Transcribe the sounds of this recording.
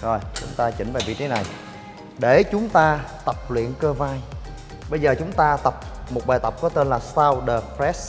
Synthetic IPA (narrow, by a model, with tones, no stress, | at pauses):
to˧˩jt͡ɕʊ̰˨˦ŋ͡mt̪aː˧t͡ɕï˧˩ŋ̟vaː˨˩vḭ˧˨t̪ʰe˨˦na˨˩j | ɗe˧˩t͡ɕʊ˨˦ŋ͡mt̪aː˧t̪ə˨˩p̚lwḭ˧˨ənkəː˧vaː˧n | ɓə˧jzəː˨˩t͡ɕʊ˨˦ŋ͡mt̪aː˧t̪ə˨˩p̚mo˨˩t̚ɓaː˨˩t̪ə˨˩p̚kɔ˨˦t̪e˧nlaː˨˩saː˧wɗə˨˩pɾɛ˦˥s̚